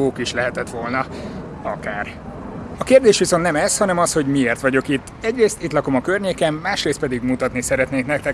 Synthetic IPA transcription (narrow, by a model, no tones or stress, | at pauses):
oːkiʃlɛɦɛt̪ɛt̪ʋo̞lnɒ | ɒkaːr | ɒkeːrd̪eːʃʋiso̞nt̪nɛmɛshɒnɛmɒsho̞ɟmieːrt̪ʋɒɟo̞kit̪ːɛɟreːst̪it̪lɒko̞mɒkørɲeːkɛmːaːʃreːst̪pɛd̪iɡmut̪ɒt̪nisɛɾɛt̪neːknɛkt̪ɛ